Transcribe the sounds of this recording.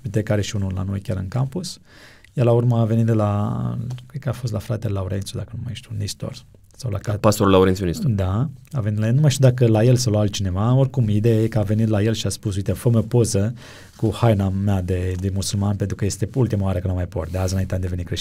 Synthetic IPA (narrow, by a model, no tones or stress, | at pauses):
bit̪ekaɾeʃiunula̰no̞jkʲjaɾɨnkampus | jalaurməave̞nit̪d̪la | kɾed̪kəafo̞st̪lafɾat̪ellauɾent̪sud̪akənumajʃt̪iunist̪o̰r | sawla̰kapast̪oɾulauɾent̪unist̪d̪aave̞nit̪lajelnumajʃt̪ʲuwd̪akəlaje̞lsalaalt͡ʃine̞vao̞rkumid̪ejajekəave̞nit̪lajelʃiaspusujt̪efəməpo̞zə | kuhajnamead̪ed̪emusulmanpent̪ɾukəje̞st̪eult̪imaoaɾəkənamajpot̪̚d̪eazɨnaint̪eamd̪e̞ve̞nikɾeʃ